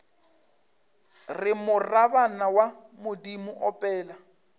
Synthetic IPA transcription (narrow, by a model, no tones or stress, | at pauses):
rɪmʊrabanawamʊdimʊʔɔpʼɛːla